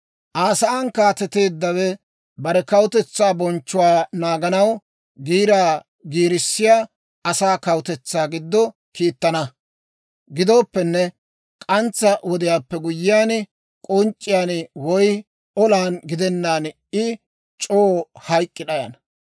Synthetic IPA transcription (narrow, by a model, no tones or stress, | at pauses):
ʔaːsɐaːnkaːt̪ɛt̪e̞ːd̪ːɐwɛ | bɐɾɛkɐwʊt̪ɛt͡sːaːbɔnt͡ʃːʊwaːnaːɡɐnɐw | ɡiːɾaː | ɡiːɾɪsːɪjaː | ɐsaːkɐwʊt̪ɛt͡sːaːɡɪd̪ːɔ | kiːt̪ːɐnɐ | ɡɪd̪o̞ːpːɛnːɛ | kʼɐnt͡sːɐwɔd̪ɪjaːpːɛɡʊjːɪjaːn | kʼɔnt͡ʃʼːɪjaːnwɔj | ɔlaːnɡɪd̪ɛnːaːn | ɪ | t͡ʃʼoːhɐjkʼːɪɗɐjɐ̰nɐ